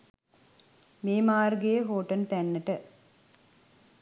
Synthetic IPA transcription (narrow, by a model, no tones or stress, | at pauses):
meːmaːrɡejəɦoːʈənt̪ænːəʈə